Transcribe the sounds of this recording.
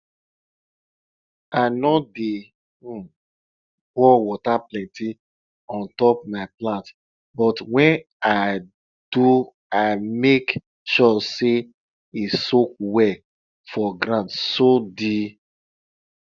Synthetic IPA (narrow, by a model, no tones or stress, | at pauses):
aɪnɔde | wɔwɔtaplɛ̃ntʰi | ɔ̃ntɔp̚maɪplãnt | bɔtwɛ̃n | aɪ | d̥u | aɪmek | ʃɔse | isok̚wɛ | fɔɡɾãntsodi